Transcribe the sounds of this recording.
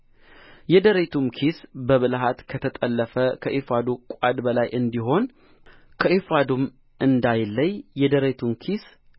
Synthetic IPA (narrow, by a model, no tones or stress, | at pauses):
jɛd̪əɾet̪ʰumkʰisbəβɨlɦat̪kʰət̪ʰət̪ʼəlːəfəkʰəʔefad̪ukʷʼad̪bəlajʔɨnd̪iɦo̞n | kʰəʔefad̪um | ʔɨnd̪ajlːəɲːɛd̪əɾet̪ʰumkʰis